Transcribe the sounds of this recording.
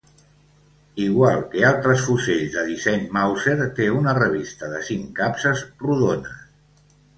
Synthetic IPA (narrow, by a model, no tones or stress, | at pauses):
iɣwalˠkealˠt̪ɾəsfuseʎzðəðisɛɲmawseɾt̪eunərəβ̞ist̪əðəsiŋkapsəzruðonə̰